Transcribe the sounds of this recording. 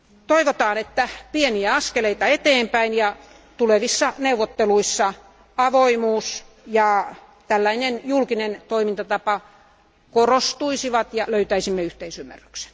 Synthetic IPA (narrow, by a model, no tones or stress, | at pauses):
t̪oiʋot̪ɑːnet̪ːæpieniæɑskeleit̪ɑet̪eːmpæinjɑ | t̪uleʋisːɑneuʋːot̪ːeluisːɑ | ɑʋoimuːs | jɑ | t̪ælːæinenjulkinent̪oimint̪ɑt̪ɑpɑ | korost̪uisiʋɑt̪jɑløyt̪æisimːeyht̪eisymːæ̰rːy̥kse̥n